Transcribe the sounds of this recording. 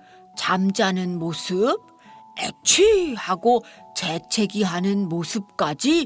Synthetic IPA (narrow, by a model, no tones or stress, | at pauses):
t͡ɕamd͡ʑanɯnmosʰɯb̚ | ḛt͡ɕʰihaɡot͡ɕe̞t͡ɕʰe̞ɡiɦanɯnmosʰɯp̚k͈ad͡ʑi